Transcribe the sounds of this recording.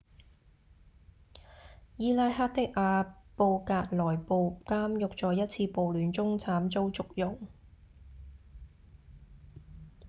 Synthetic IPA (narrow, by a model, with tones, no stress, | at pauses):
jiː˥laː˧jɦaː˥t̚t̪ɪ˥k̚ʔaː˨˧po˧wkaː˧t̚lɔː˨˩jpo˨˧wkaː˥mjʊ˨k̚t͡sɔː˨jɐ˥t̚t͡sʰiː˧po˨wlyː˨˥nt͡sʊ˥ŋt͡sʰaː˨˥mt͡so˥wt͡sʊ˨k̚jʊ˨˩ŋ